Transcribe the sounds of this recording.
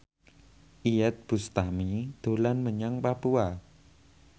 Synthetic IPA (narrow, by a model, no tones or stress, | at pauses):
ʔiɛt̪̚b̥ṳst̪amid̪̥o̤lanməɲaŋpapua